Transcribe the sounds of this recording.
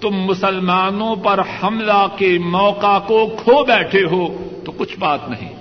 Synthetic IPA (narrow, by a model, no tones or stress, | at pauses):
t̪ʊmːʊsəlmaːnõpɐɾhɐmlakemɔːqakokʰobɛːʈʰeɦoːt̪okʊt͡ʃʰbaːt̪nɐɦḭ̃ː